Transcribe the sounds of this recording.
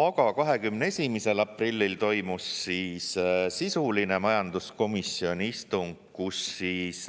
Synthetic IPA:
ɑɡ̥ɑkɑɦe̞kymnee̞sʲimise̞lɑpˑrilʲːilt̪o̞jmusːiːssisulinemɑjɑnd̪̥usko̞misːio̞nʲist̪uŋɡ̥ | kusːiːs

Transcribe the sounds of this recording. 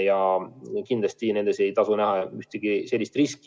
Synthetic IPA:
jɑkind̪lɑst̪ine̞nd̪e̞se̞jt̪ɑsunæhɑyht̪eɡ̥ise̞lːist̪risk

